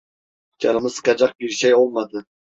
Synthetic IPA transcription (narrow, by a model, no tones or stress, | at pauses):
d͡ʒɑlˠɨmɨzqɑd͡ʒɑq̚biɾʃɛjolˠmɑd̪ɨ